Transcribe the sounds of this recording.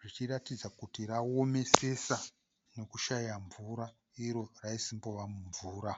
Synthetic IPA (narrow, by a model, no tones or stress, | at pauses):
ʐit͡ʃiratid͡zakutiɾao̞me̞se̞sa | no̞kuʃaijaɱvuɾa | iɾo̞raisimbo̞ʋamuɱvuːɾa